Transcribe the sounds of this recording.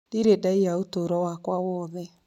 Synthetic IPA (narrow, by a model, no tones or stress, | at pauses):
diɾedaijaotoɾɔwakwawɔːðɛ